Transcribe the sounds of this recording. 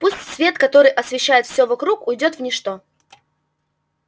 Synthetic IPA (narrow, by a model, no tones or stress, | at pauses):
pusʲtʲsvʲe̞t̪kɐt̪o̞ɾɨjʔɐsvʲɪɕːæjɪt̪fsʲovɐkɾukʊjdʲo̞t̪vnʲɪʂt̪o̞